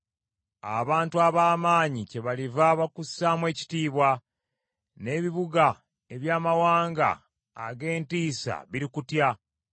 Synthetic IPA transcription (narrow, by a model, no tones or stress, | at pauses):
a̰βaːntuaβaːmaːɲice̞βalivaβakusːamwe̞ːci̥tiːβwa | ne̞ːβiβuɡa | e̞βjaːmawaːŋɡa̰ː | ɡe̞ːntiːsa̰βiɾikutja